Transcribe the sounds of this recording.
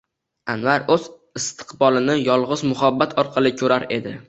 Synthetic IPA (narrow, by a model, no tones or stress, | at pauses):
anvaɾɵz̥ | ɪst̪ʰɨ̥qbɒlˠɪnɪjɒlˠʁɨzmʊɦabːat̪ʰɒɾqʰɑlˠɪkʲʰɵɾaɾe̞̰d̪ɪ